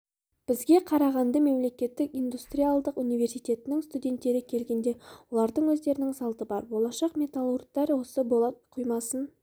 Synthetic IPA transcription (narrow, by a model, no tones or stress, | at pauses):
b̥ɪzɡʲe̞qʰɑɾɑʁɑnd̪ɑme̞mle̞kʲe̞t̪ːɪkʲijnd̪ust̪rijalˠd̪əqunijve̞ɾsijt̪ʲe̞t̪ɪnɪŋst̪ud̪ʲe̞nt̪ːe̞ɾɪkʲʰe̞lɡʲe̞nd̪e̞wo̞lˠɑɾd̪əɴwɵzd̪e̞ɾɪnɪŋsɑlˠt̪əbɑɾbo̞lˠɑʃɑqme̞t̪alˠur̚t̪ːɑɾwo̞səbolˠɑt̪qʰujmɑsən